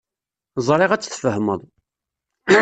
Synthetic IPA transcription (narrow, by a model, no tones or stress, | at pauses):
zˤɾˤɪʁæt͡sːθfəɦməðˤ